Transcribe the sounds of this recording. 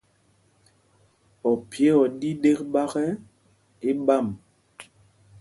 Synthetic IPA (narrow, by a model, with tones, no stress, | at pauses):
ɔ˨pje˦ɔ˨di˦ɗe˦kɓa˦ɣɛ˦ | e˦ɓa˦˨m